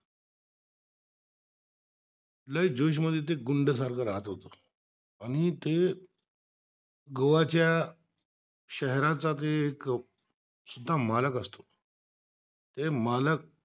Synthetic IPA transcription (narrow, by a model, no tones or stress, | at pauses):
ləid͡ʑoɕ̬məd̪ʱjet̪̬eɡuɳɖəs̬aɾkaɾat̪ɦot̪ə | aɽ̃it̪e | ɡəʋat͡ɕja | ɕəɦɾat͡sat̪̬eːk | sud̪ʱːamaləkəst̪o | t̪emalək̚